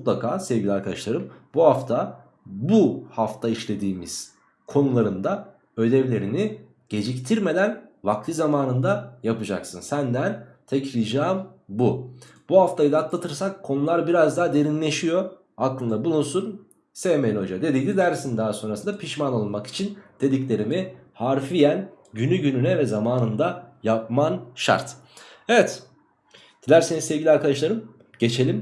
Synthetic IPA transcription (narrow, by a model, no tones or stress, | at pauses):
mut̪lˠakʰaːsɛvɟilʲiaɾkʰad̪aʃlˠaɾɯmbuɦaft̪ʰa | buhaft̪ʰaiʃlʲe̞d̪iːmḭz̥ | kʰo̞nulˠaɾɯnd̪a | ø̞d̪ɛvlʲe̞ɾini | ɟ̥e̞d͡ʒict̪ʰiɾme̞d̪ænvaklʰˠɯzamaːnɯnd̪ajapɯd͡ʒa̰ksɯnsænd̪ænt̪ʰɛcɾid͡ʒaːmbub̥uhaft̪ʰajɯd̪at̪lˠat̪ʰɯɾsakʰːo̞nulˠaɾbiɾazd̪aːd̪e̞ɾinlʲe̞ʃijo̞ | aklˠɯnd̪abulˠunsun | seːmelʲo̞d͡ʒad̪e̞d̪ijd̪id̪æɾsind̪aɦaso̞nɾasɯnd̪apʰiʃmanolˠmaki̥t͡ʃʰind̪̥e̞d̪iclʲe̞ɾimihaɾfijæn | ɟynyɟynynɛvɛzamaːnɯnd̪ajap̚manʃa̰ɾt̪evɛt̪ | d̪̥ilʲæɾse̞ninsɛvɟilʲiaɾkʰad̪aʃlˠaɾɯm | ɟ̥e̞t͡ʃʰe̞lʲim